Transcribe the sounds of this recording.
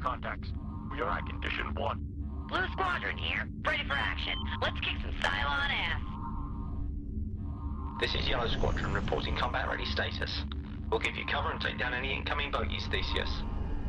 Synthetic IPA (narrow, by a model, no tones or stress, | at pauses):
kʰɑ̃ntʰæk̚ts | jə˞a̰ɪkʰɨ̃n̩dɪ̰ʃɨ̰̃nwʌ̰̃n | b̥luskwɑdɹɨ̰̃nhḭɹpʰɹ̥ɛɾifə˞æ̰kʃɨ̰̃nlətskʰɪksʌ̃m̩sta̰ɪlˠə̃nɛs | ðɪsɪ̰zjɛlˠəʊskwɑ̰dɹ̥ə̃nɹɨpʰɔ̰ˑɾɪ̃ŋkʰɑ̃mbæʔ̚ɹʔɛ̰isteɪɾə̰s | wilˠɡɪvjɨ̰kʰʌvə˞ə̃nə̰ɪdʌ̃nɛniɪ̰̃nkʰʌ̃mɪ̃ŋbəʊʔjḭz̥θiˑsiɨ̰s